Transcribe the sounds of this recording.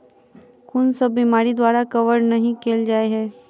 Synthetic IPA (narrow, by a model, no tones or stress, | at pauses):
kʊnsɐbːimaːɾid̪waːɾakɐʋəɾnɐɦĩkeːld͡ʒaːeɦɛː